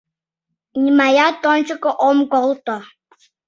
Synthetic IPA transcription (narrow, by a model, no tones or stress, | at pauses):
ɲimajatɔn̩t͡ʃəkəʔɔmɡɔltɔ